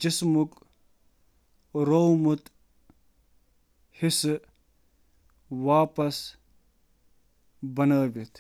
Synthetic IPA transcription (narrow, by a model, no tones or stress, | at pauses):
d͡ʒɪsmuk | ɾowmut̪ | his | ʋaːpɐs | bɐnaːbet̪